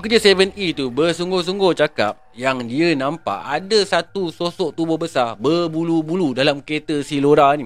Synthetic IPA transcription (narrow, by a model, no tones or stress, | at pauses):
pəkərd͡ʒasevənit̪ubəsuŋɡos̬uŋɡot͡ʃaka̰p̚jaŋdianãmpa̰ʔadasat̪usosɔʔt̪ubɔhbəsarbərbulubuludalamket̪əsiloɾanĩ